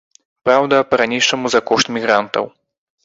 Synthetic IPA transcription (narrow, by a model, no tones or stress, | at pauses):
pɾawd̪ɐpɐɾanʲiʂɐmuzɐkɔʂt̪mʲiɣɾant̪ɐ̰w